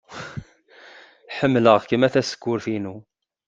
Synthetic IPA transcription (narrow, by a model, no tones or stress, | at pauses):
ħəmːləʁkəmæθæsə̥kːʊɾθinu